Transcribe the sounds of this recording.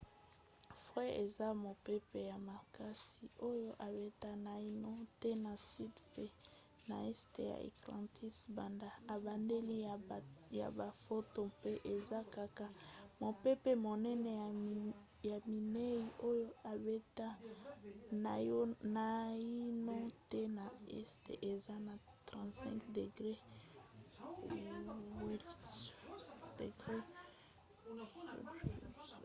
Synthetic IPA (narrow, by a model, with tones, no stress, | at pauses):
fʁɛ˦e˨za˦mo˨pe˦pe˨ja˨ma˨ka˦si˨ʔo˦jo˦ʔa˨be˦ta˦na˨i˦no˦tɛ˦na˨si˦dfe˦ | na˨ɛ˦ste˨ja̰˨ḛ˨klã˨ti˦sba˨nda˦a˨ba˨nde˦li˦ | ja̰˨ba˨fo˦to˨pe˦ʔe˨za˦ka˨ka˦mo˨pɛ˦pe˨mo˨nɛ˦nɛ˨ | ja˨mi˨ne˦ji˨ʔo˦jo˦a˨be˦ta˦ | na˨jna˨i˦nɔ˦tɛ˦na˨ɛ˦ste˨ʔe˨za˦na˨ | tʁã˨tsɛ̰̃˦kde˨ɡʁe˦ | wɛ˦ | de˨ɡʁe˦